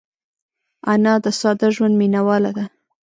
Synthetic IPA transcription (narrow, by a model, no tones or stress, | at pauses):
anɑd̪əsɑd̪aʒwand̪minawɑlad̪a